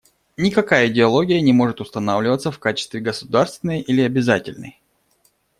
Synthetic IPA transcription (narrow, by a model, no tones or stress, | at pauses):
nʲɪkɐkajəɪdʲɪɐlˠo̞ɡʲɪjənʲɪmo̞ʐɨt̪ʊst̪ɐnavlʲɪvət̪səfkat͡ɕɪst̪vʲɪɡəsʊd̪arst̪vʲɪnəjilʲɪɐbʲɪzatʲɪ̰lʲnə̰j